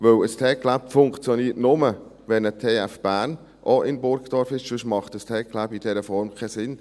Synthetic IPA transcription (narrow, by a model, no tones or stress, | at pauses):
ʋøwəstʰɛːklæpfʊŋkt͡sjɔniːətnʊmə | ʋɛnətʰeːæfb̥æːn | ʔoʔɪnbʊɾkd̥ɔɾfɪʃʃʉʃmɑχtəstʰɛːkkʰːlæbid̥ɛɾəfɔɾmkʰɛsɪn